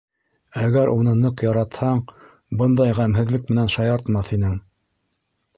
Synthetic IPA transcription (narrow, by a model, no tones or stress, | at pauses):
æɣæɾʔun̪ɤnɤqjɑɾɑt̪hɑɴ | bɤnd̪ɑjʁæmɦɘ̆ðlɘkmɘ̆nænʃɑjɑɾt̪mɑθinɘŋ